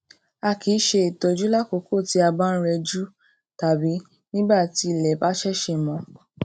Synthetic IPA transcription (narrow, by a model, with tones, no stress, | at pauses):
a˧kʰi˨˦ʃe˧i˨to˧d͡ʒu˦la˦ko˨˧ko˦˨ti˨˧˦a˧ba˦n̩˦ɾɛ˧d͡ʒu˦ | ta˨bi˨˦ | nĩ˦ba˦˨ti˧˦˨lɛ˨ba˦ʃɛ˦ʃe˧mɔ̃˨˧